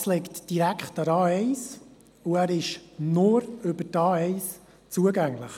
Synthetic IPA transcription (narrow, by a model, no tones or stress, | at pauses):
slɛktd̥iɾækχtəɾɑːɛɪs | uæːɾɪʃnʊɾʏbətɑːɛɪs | t͡suəɡæŋlɪχ